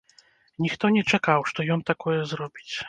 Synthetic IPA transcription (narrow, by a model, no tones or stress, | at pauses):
nʲixt̪ɔnʲɛt͡ʂɛkawʂt̪ɔjɔmt̪akɔjɛzɾɔbʲit͡sʲ